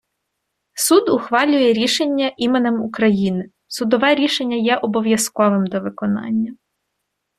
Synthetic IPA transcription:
sud̪ʊxʋɑlʲʊjɛɾʲiʃenʲːɐʔimenemʊkɾɐjinɪ | sʊd̪ɔʋɛɾʲiʃenʲːɐjɛʔɔbɔʋʲjɐskɔʋɪmd̪ɔʋɪkɔnɑ̰nʲːɐ

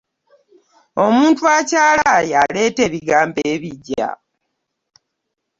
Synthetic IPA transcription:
o̞muːntuacaːlajale̞ːte̞βiɡaːmbeːβiɟːa̰

